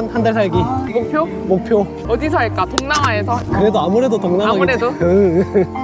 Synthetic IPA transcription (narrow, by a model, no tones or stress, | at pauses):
nhandaɭs̬ʰaɭɡimokpʰjo | mok̚pʰjo | ʌdis̬ʰʌeɭk͈atoŋnaŋaesʰʌkɯɾe̞doamuɾe̞dotoŋnamaɡeɾedoɯ